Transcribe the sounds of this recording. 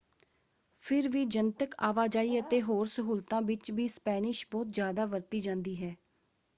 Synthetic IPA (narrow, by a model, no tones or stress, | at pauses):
pʰɪɾʋiːd͡ʒənt̪əka̰ːʋaːd͡ʒaːiːət̪eːɦoːɾsəɦuːlt̪ãːʋɪt͡ʃʋiːspɛːnɪʃbɔːt̪zjaːd̪aːʋəɾt̪iːd͡ʒãːnd̪iːɦɛː